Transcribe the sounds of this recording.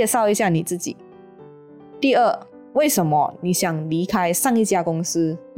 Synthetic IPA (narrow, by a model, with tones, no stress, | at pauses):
ɛ˥˧ʂɑ˥˩ʊi˧˥ɕja˥˩ni˨˩t͡sɹ̩˥˩t͡ɕḭ˨˩˦ | t̪i˥˧ə˥˩ | we˥˩ɪʂə˧˥nmə̰˦ni˨˩˦ɕjɑ˨˩ŋli˧˥kʰa˥ɪʂɑ˥˧ŋi˥˩t͡ɕja˥˧kʊ˥ŋsɹ̩˥